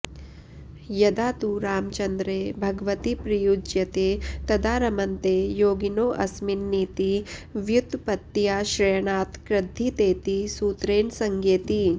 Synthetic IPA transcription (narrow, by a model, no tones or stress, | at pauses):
jɐd̪aːt̪uɾaːmt͡ʃɐnd̪ɾeːbʱɐɡɐʋɐt̪ipɾijud͡ʒjɐt̪eːt̪ɐd̪aːɾɐmɐnt̪eːjoːɡinoːʔɐsminːiːt̪iʋjut̪pɐt̪jaːʃɾɐːjɐɳaːt̪kɾɪd̪ʱːit̪eːt̪isuːt̪ɾeːnsɐŋɡeːt̪i